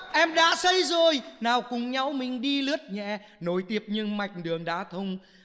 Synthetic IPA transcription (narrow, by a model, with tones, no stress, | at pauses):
ʔɛ˧mɗa̰ː˧˥sə˧jzo˨˩jnaː˨˩wkʊ˨˩ŋ͡mɲa˨˧˦wmï˨˩ŋ̟ɗi˧lɨ˦˥ət̚ɲɛ̰˧˩ | no˨˦jt̪i˦˥əp̚ɲɨ˧ŋma˨˩jk̟̚ɗɨ˨˩əŋɗaː˨˦t̪ʰə˧wŋ͡m